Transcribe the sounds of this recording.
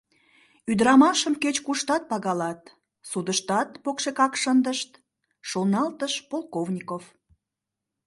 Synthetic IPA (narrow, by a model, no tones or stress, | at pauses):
yd̪əɾɑmɑʃəmket͡ɕkuʃt̪ɑt̪̚pɑɣɑlɑt̪ | sud̪əʃt̪ɑt̪pokʃekɑkʃənd̪əʃt̪ | ʃolnɑlt̪əʃpolˠkovnʲikof